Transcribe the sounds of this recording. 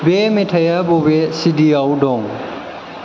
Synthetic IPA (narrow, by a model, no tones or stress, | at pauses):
bemetʰajabobesidiawdɔŋ